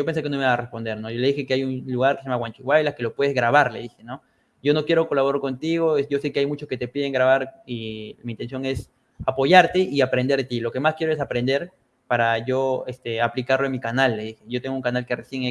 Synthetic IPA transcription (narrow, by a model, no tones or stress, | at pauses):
o̞pens̬ekenoiiβarespo̞nd̪e̞ɾno̞joleðixe̞keajunluɣaɾkeseamaɣwant͡ʃiɣwajlaske̞lo̞pwe̞ð̞ezɣɾaβaɾle̞̰ðixe̞no̞ | ɟ͡ʝo̞no̞kje̞ɾo̞ko̞laβo̞ɾaɾko̞nt̪iɣo̞esʝo̞se̞keajmut͡ʃosket̪e̞piðe̞ŋɡɾaβaɾimint̪e̞nsjo̞ŋe̞s | apo̞ʝaɾt̪e̞iapɾe̞nd̪eɾt̪ilo̞ke̞maskje̞ɾoes̬apɾe̞nd̪e̞ɾ | paɾaʝo̞est̪e̞aplikaɾloenmikanalːeðixe̞ʝo̞t̪e̞ŋɡouŋkanalkeresjeŋe